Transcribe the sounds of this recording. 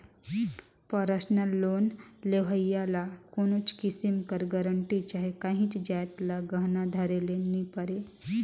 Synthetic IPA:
pəɾəsnəlːoːnleʋəjalakoːnot͡ʃkisimkɐɾɡɐɾəɳʈit͡ʃaːɦekaɦĩt͡ʃd͡ʒajt̪laɡəɦnad̪ʱaɾelenipəɾe

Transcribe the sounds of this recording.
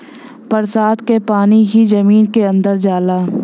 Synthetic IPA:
pɐɾsaːt̪kepaːniɦizɐmiːnkeɐ̃nd̪əɾd͡ʒaːlaː

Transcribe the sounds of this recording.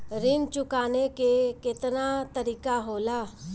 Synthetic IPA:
ɾɪmt͡ʃʊkaːnekekɪt̪nat̪əɾiːkaɦoːlaː

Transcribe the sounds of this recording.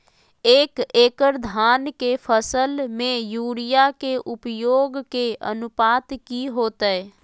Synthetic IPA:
eːkeːkəɾd̪ʱaːnkepʰəsəlmẽjuːɽɪjakeʔʊpjoːɡkeə̰nʊpaːt̪kiɦoːt̪əɛ

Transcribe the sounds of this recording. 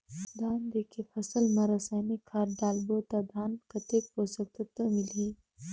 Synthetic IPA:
d̪aːnd̪ekifɐsəlmɐɾɐsaːjnikʰaːɾɖ̪aːlbot̪ad̪ʱaːnkɐt̪ek̚posɐk̚t̪ət̪ɐmili

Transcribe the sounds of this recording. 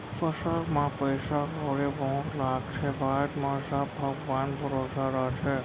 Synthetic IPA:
fəsaɾmãpəjsakəwɾeʋɔ̃ɾlaːɡt͡ʃʰeʋaʈmãsabʱəɡʋanbʱəɾosaɾat͡ʃʰe

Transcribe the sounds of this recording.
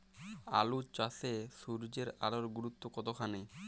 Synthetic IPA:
a̰lut͡ɕasesuɾd͡ʑeɾa̰loɾɡuɾut̪ːokɔt̪okʰane

